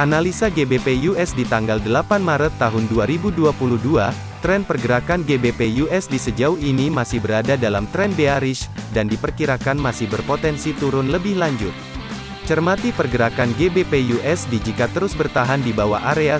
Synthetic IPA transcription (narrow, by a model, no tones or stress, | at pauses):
ʔanalisaɡebepejuʔɛsdit̪aŋɡaldəlapanmaɾət̪ːaɦʊnduaɾibuduapuluhdua | t̪ɾɛnpərɡəɾakanɡebepejuʔɛsdisəd͡ʒauɦinimasɪhbəɾadadalamt̪ɾɛnbeaɾɪʃdandipərkiɾakanmasɪhbərpot̪ɛnsit̪uɾʊnləbɪhlaɲd͡ʒʊt̪̚ | t͡ʃərmat̪ipərɡəɾakanɡebepejuʔɛsdid͡ʒikat̪əɾʊsbərt̪aɦandibawa̰aɾea